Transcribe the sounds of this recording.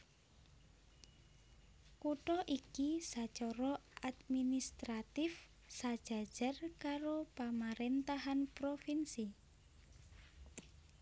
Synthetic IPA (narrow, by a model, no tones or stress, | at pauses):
kuʈɔʔikisḁt͡ʃɔɾɔʔad̪minist̪ɾat̪ɪf | sad̥ʒ̥a̤d̥ʒ̥a̤rkaɾopamaɾent̪aɦanpɾofinsi